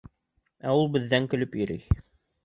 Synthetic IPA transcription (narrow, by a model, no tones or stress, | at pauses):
æulˠbɘ̆ðːæŋkɵ̆lɵpjɵ̆ɾɘj